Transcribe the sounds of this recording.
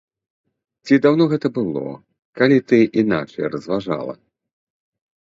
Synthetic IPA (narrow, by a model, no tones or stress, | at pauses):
t͡sʲid̪awnɔɣɛt̪ɐbɨlˠɔ̰ | kalʲit̪ɨʔina̰t͡ʂɐ̰jrɐzvaʐa̰lˠɐ̰